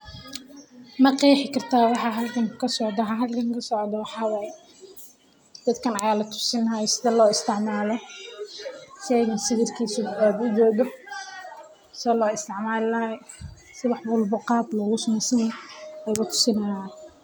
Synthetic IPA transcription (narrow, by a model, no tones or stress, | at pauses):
mɐqiːħɪkʰɐrt̪ʰaːwɑħɑɦɐlkʰɐŋkʰɐsɔʕd̪ɐɦɐɦɐlkʰɐŋkʰɐsɔʕd̪ɔwɑħɑwɑːjɛ | d̪̥ɐd̪kʰɐnɐjaːlɐt̪ʰʊ̥sɪnɐjɔsɪðɐlɔːɪst̪ʰɪʕmaːlɔ | ʃɛjnɐsɪɣɪrkʰiːsʊad̪ʊdɔːd̪ɔ | sɔːlɔːɪst̪ʰɪʕmaːlɪlɐ | sɪwɑħbʊlbʊqɑːb̪lɔːɣʊsʊmɪsɪnɛjlɐt̪ʰʊ̥sɪnɐjaːn